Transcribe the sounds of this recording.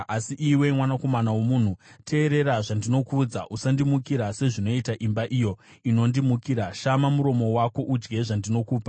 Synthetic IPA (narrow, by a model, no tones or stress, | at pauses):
asiʔiwe̞mwanako̞manawomun̤utʰe̞ːɾe̞raʐandino̞kud͡zaʔusandimukiɾase̞ʐino̞itaʔimbaʔijo̞ | ino̞ndimukiɾaʃamamuɾo̞mo̞wako̞ʔud͡ʒɡe̞ʐandino̞kuːpa